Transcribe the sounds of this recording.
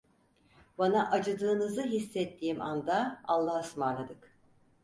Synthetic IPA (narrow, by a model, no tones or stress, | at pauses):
banaʔad͡ʒɯd̪ɯːnɯzɯɦisːɛt̪ʰːiːmʔa̰nd̪aalˠːahsmanlˠad̪ɯk